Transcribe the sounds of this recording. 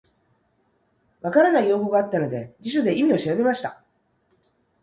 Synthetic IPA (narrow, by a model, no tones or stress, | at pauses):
βakaɾanaijo̞ːko̞ɡaat̪ːano̞d̪e̞d͡ʑiɕo̞d̪e̞imʲio̞ɕiɾabe̞maɕi̥t̪a